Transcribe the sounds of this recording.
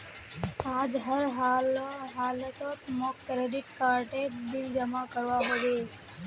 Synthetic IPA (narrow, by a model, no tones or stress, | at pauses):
ad͡ʒɦəɾɦalɦaːlət̪ot̪mokːɾeɖɪʈ̚kaɾʈebild͡ʒəmakəɾʋaɦəʋe